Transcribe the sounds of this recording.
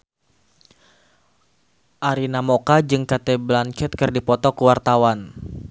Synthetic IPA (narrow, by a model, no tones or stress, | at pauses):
ʔaɾinamokad͡ʒɨŋkat̪ɛblant͡ʃɛt̪̚kɨrdipɔt̪ɔkəwart̪awan